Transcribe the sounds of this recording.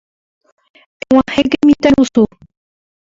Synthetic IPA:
ew̃ãheɡemĩt̪aɾusu

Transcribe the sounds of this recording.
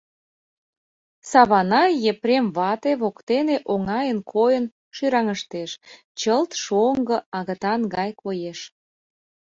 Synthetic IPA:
sɑβɑnɑjepɾemβɑt̪eβokt̪eneʔoŋɑjənkʰojən | ʃyɾɑŋəʃt̪eʃ | t͡ɕəlt̪ʃoŋɡə̆ɑɣə̆t̪ɑnɡɑjkojeʃ

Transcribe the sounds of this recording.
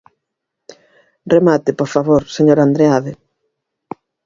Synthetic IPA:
remat̪ɪpoɾfaβoɾseɲoɾand̪ɾeaðe

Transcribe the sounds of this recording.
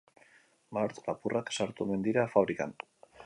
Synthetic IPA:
maɾt̪lapurʔaksaɾt̪ume̞nd̪iɾafaβɾika̰n

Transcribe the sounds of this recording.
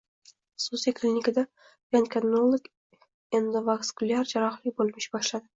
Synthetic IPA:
susekʲʰlʲinʲɪkʲɪd̪a | vankʰʲanolˠok | end̪ɪvakskʊlʲaɾd͡ʒaɾɑχlɪkʲbolˠmɪʃbɒʃlad̪ɪ

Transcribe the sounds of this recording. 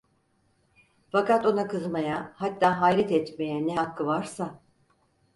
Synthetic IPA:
fakat̪o̞nakʰɯzmajahat̪ːaːɦajɾɛt̪ʰɛt̪me̞jɛnɛɦakːɯvaɾsa

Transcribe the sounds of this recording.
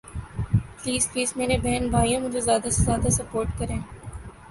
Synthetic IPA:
pliːzpiːzmeːɾebɛɦənbʱaːijãmʊd͡ʒʱezjaːd̪aszjaːd̪asɐpoːɾʈkɐɾẽː

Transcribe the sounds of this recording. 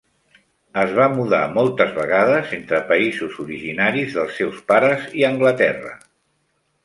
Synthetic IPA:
əzβamuða̰mɔlˠt̪əzβəɣaðəzent̪ɾəpəizuzuɾiʒinaɾizðəlˠsːɛwspaɾəziəŋɡlət̪ɛ̰rə̰

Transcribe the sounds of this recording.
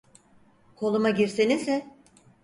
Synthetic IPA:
kʰo̞lˠumaɟiɾsinizɛ

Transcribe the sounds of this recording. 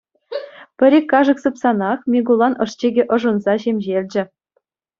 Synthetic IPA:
pʲɘ̆ɾʲekʲːɑʐɤ̆ksɯpsɑnɑχmʲeɡulˠɑnʔɤ̆ʂt͡ɕeɡʲĕʔɤ̆ʐɤnzɑɕemʲʑelʲd͡ʑɘ̆

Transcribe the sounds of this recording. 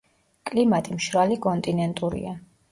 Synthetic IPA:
kʼlimat̪ʼimʃɾalikʼɔnt̪ʼinɛnt̪ʼuɾḭa

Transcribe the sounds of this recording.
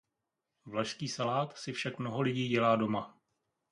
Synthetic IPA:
vlaʃskiːsalaːt̪sɪfʃakmno̞ɦo̞lɪɟiːɟɛlaːdo̞ma

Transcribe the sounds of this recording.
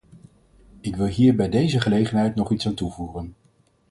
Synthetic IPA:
ɪkʋɪlˠɦiːɹbɛjdejzəχəlejχənɦɛjtnɔχitsaːntuvuːrən

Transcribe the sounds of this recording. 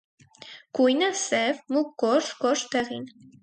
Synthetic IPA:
kujnasɛvmukːɔʃkɔʃt̪ɛʁin

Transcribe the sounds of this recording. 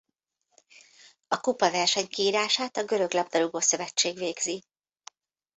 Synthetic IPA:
ɒkupɒvɛrʃɛɲkiːɾaːʃaːt̪ɒɡø̞ɾø̞ɡlɒbd̪ɒɾuɡoːsø̞vɛt͡ʃːeːɡʋeːɡzi

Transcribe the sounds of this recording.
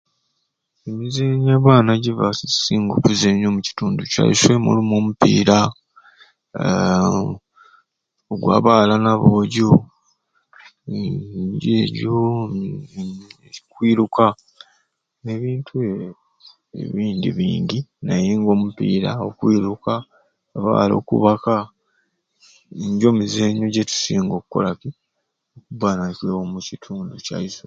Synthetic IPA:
emizeɲaːβaːnaɟiva̰isiːŋɡo̞̰kuzeɲo̞muci̥tuːnduca̰liswe̞mṵlumoːmupḭːɾa | oɡwa̰ːβaːlanaβoːɟo | ɲɟeːɾjo | kwiːɾuka | eβiːntʰu | ḛβiːndḭβiːɲdinajeːŋɡo̞ːmupiːɾaokwiːɾukaː | βa̰ːlo̞̰ːkṵβaka | iɲɟo̞ːmizeɲo̞ɟetu̥siːŋɡo̞kukːo̰laki | okubanacwewomucitʰuːnduca̰iso

